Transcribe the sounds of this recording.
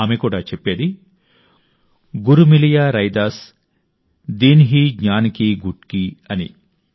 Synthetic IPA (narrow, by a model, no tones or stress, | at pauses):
aːmekuːɽaːt͡ʃepːeːd̪i | ɡuɾumilijaːɾɐjd̪aːɾs | d̪iːnɦiːɡɲaːnkiɡuʈkiɐnḭ